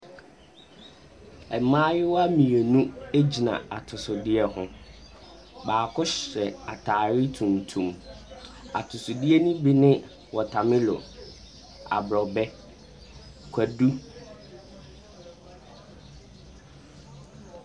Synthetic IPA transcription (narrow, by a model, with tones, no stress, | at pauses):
ɛ˨mãː˦jɪ˦wa˦mĩ˨e˨nũ˦e˦d͡ʑi˨nã̰˨a˨tʰʊ˨sʊ˨dɪ˦ɛ˦hʊ̃˦ | baː˨kʰʊ˦ɕɾɛ˨a˨tʰaː˨ɾɪ˦tʰũ˨ntʰũ˨m | a̰˨tʰʊ˨sʊ˨dɪ˦ɛ˦nũ˦bi˦nɪ̃˦ | wɔ˨tʰa˨mɪ̃˦lɔ̰˨ | a̰˨bɾɔ˨bɛ˦ | kʷʰæ˨du˦